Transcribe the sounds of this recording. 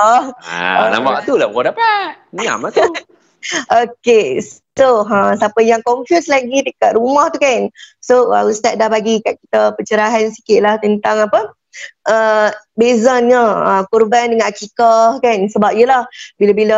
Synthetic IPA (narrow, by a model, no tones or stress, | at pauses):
a̰na̰mbaʔt̪ulabəkadapaʔnɲa̰mat̪ | oketoɦə̃sapəjaŋkɔnfjuslaɡit̪əkaʔ̪ɾumaht̪ukansoa̰ust̪aʔ̚dahbaɡikaʔ̚ki̥t̪əpət͡ʃəɾaɦansi̥kɪʔ̪̚laht̪ənt̪aŋapə | ʔəbezanɲəəkurbandəŋãnʔakikahkansəbap̚ijəlahbilabilə